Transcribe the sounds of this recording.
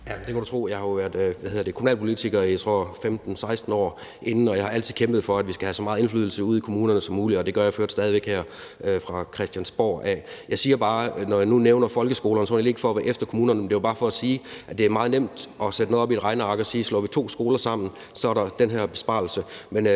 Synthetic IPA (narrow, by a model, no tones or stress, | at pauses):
jæd̥e̝kʰæɾut͡sʰʁo̝̰ːjɑ̈hɑjoʋæɐ̰d̥ˠʋæheðˠɐd̥ekʰomunɛ̰ːlpʰolit͡sʰiɡ̥ɐit͡sʰʁo̰femd̥n̩sɑ̈ɪsd̥n̩ɒ̰ː | ʔe̝nn̩ɒjɑ̈hɑ̈æl̰t͡sʰið̩ˠkʰemb̥ð̩ˠfɒ̽æd̥ʋisɡ̥æhæsɒ̽mɑ̈ːð̩ˠe̝nflyðˠl̩səuð̞̰ˠikʰo̝muːnɐnəsɒ̽mːuːliɒd̥e̝ɡ̥ɶɐjɑ̈ɪføɐd̥sd̥ɛːð̞ˠiʋeɡ̥heɐ̰ | øfʁɑ̈kʰʁɛsd̥jænsb̥ɒ̰ːæjɑ̈ɪsiːɐb̥ɑ̈ːnɒjanuneʊnɐfɒ̽lɡ̥əsɡ̥o̝ːlɐnsɒnelieɡ̥fɒʋæːʔefd̥ɐkʰomuːnɐnəmend̥e̝job̥ɑ̈ːfɒ̽æsiːʔædd̥e̝æɐmɑ̈ːðˠnem̰d̥ʔɒ̽sed̥noðˠɒ̽bied̥ʁɑ̈ɪnəɑ̈ɡ̥ɒ̽siːslɔ̰ːʋit͡sʰo̝̰ːsɡ̥o̝ːlɐsɑ̈m̰n̩ | sɒ̽ɐɾɑ̈d̥enɦæɐ̰b̥e̝sb̥ɑ̰̈l̩səmen